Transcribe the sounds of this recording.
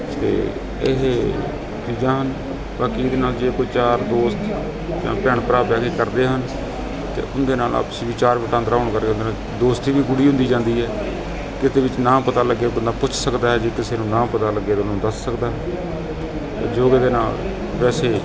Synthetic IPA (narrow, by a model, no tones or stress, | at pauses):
t̪ḛː | ɪ̰ɦ | t͡ʃiːd͡ʒãːɦən | baːkiːd̪eːnaːld͡ʒeːkoːiːt͡ʃaːɾd̪oːst̪ | d͡ʒã̰ːpɛːɳpəɾaːpɛːkeːkəɾd̪eːɦən | t̪ḛːʔʊnd̪eːnaːlʔa̰ːpsiːʋiːt͡ʃaːɾʋəʈãːnd̪ɾaːʊɳkəɾɡeõnd̪eːnaː | d̪oːst̪iːʋiːɡʊɽiːɦʊ̃nd̪iːd͡ʒãːnd̪iːɦɛː | kɪt̪eːʋɪt͡ʃnãːpət̪aːləɡːeːʊnd̪aːpʊt͡ʃʰsəkd̪aːɦɛːd͡ʒeːkɪseːnũːnãːpət̪aːləɡːeːd̪nũːd̪əsːəkd̪aːɦɛː | t̪ḛːd͡ʒoːɡeːd̪eːna̰ːl | pɛːseː